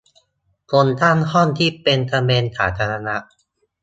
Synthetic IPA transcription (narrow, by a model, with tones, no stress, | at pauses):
kʰo˧nt̪ʰa˥˩nhɔ˥˩nt̪ʰiː˥˩pe˧nt̪ʰa˧meː˧nt̪ʰaː˩˦t̪ʰaː˧ɾa˧na˦˥ʔ